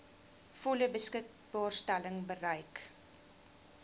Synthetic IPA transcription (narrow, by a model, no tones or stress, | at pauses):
fɔləbəskək̚ | bɑːrstæləŋbərəjk